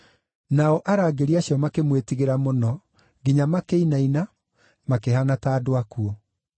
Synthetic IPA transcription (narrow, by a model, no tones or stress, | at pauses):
naɔʔaɾaːɡeɾiaɕjɔmakemwetiɣeɾamonɔ | ɡiɲamakeinaina | makeɦanataːdwakuɔ